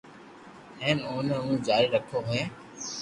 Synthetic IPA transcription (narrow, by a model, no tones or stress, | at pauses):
hẽːnoːnəɦũːd͡ʒaːɾiɾəkʰoɦʊjẽː